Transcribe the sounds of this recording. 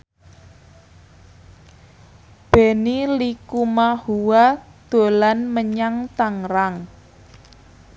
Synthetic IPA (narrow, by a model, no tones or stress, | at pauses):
b̥enilikumahuwad̪̥o̤lanməɲaŋt̪aŋɾaŋ